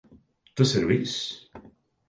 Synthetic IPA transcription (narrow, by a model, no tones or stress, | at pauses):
t̪əsɛɾvis